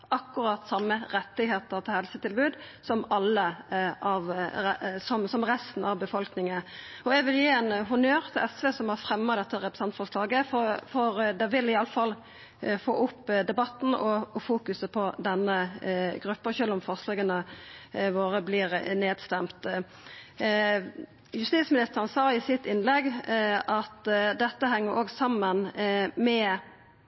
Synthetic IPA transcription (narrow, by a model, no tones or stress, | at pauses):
ɑkːʊɾɑːt̪sɑmːəɾɛt̪ːɪheːt̪əʁt̪ʰɪlhɛlsət̪ɪlbʉːd̪sɔmɑlːəɑʋ | sɔmsɔmʁɛst̪n̩ɑʋbəfɔlknɪŋəɔɛɡʋɪljiːɛnɦʊnøːɾt̪ʰɪlɛsʋeːsɔmhɑʁfɾɛmːɑd̪ɛt̪ːəɾɛpɾəsɛnt̪fɔʁʂlɑːɡəfɔfɔɾd̪ɛʋɪlɪɑlːəfɑlː | fo̰ːʔʊpːd̪ɛbɑt̪ːn̩ɔɔfuːkʉsəpʰɔd̪ɛnːəɡɾʉpːəçølɔmfɔʁslɑːɡənə | ʋoːɾəblɪːʁneːd̪st̪ɛmt̪ | jʉst̪iːsmɪnɪst̪əʁənsɑːɪsɪt̪ːɪnlɛɡʔɑt̪d̪ɛt̪ːəɦɛŋːəɾoːɡsɑmːənmɛ